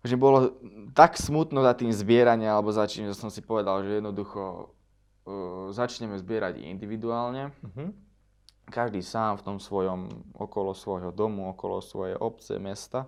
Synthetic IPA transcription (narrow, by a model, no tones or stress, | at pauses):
aʒɲɛbɔlɔt̪aksmut̪nɔzat̪iːmzbɪɛɾaɲialɛbɔzat͡ʃimʒɛsɔmsipɔʋɛd̪alʒɛjɛd̪nɔd̪uxɔ | zat͡ʃɲɛmɛzbɪɛɾaɟḭnd̪iʋid̪uaːlɲɛ | kaʒd̪iːsaːmft̪ɔmsʋɔjɔmɔ̰kɔlɔsʋɔjɦɔd̪ɔmuɔkɔlɔ̰sʋɔjɛ̰ʔɔp̚t͡sɛ̰mɛst̪a